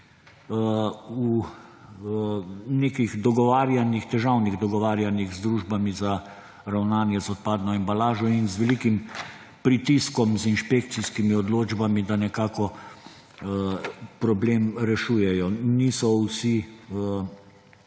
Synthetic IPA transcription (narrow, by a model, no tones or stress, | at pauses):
u | neːkiɣd̪ɔɡɔʋaːɾjanixt̪ɛʒawniɣd̪ɔɡɔʋaːɾjaniɣzd̪ɾuːʒbamiza | ɾawnaːnjɛzɔt̪̚paːd̪nɔɛmbalaːʒɔinzʋɛlikim | pɾit̪iskɔmzinʃpek̚t̪siskimiɔd̪loːd͡ʒbamid̪anɛkaːkɔ | pɾɔbleːmɾɛʃuːjɛjɔniːsɔwsi